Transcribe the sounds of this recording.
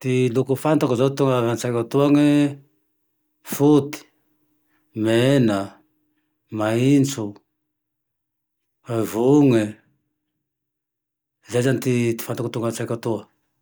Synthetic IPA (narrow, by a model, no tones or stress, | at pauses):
t̪ilukufant̪akuzat̪uŋaant͡sajkat̪uaŋe | fut̪i̥ | mena | maint͡su | avuŋe | zazanit̪it̪i̥fant̪akut̪uŋɡat͡sakat̪ua